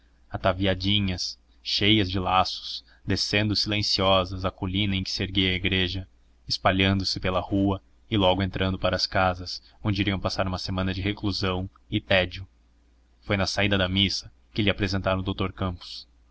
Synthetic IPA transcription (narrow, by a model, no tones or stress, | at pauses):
at̪aviad͡ʒĩɲɐs | ʃejɐzd͡ʒɪlasʊ̥s | d̪esẽnd̪ʊsilẽsiɔzɐzɐkolĩnɐẽj̃kɪ̥seɾɡejɐiɡɾeʒɐ | ɪspaʎɐ̃nd̪ʊsɪpelɐhuɐ | ɪlɔɡʊẽnt̪ɾɐ̃nd̪ʊpaɾɐskazɐs | õd͡ʒɪiɾiɐ̃w̃pasaɾũmɐsemɐ̃nɐd͡ʒɪɦekluzɐ̃w̃ | ɪt̪ɛd͡ʒʊ | fojnɐsaid̪ɐd̪ɐmisɐ̥ | kɪlɪapɾezẽnt̪aɾɐ̃ʊd̪owt̪oɾkɐ̃mpʊ̥s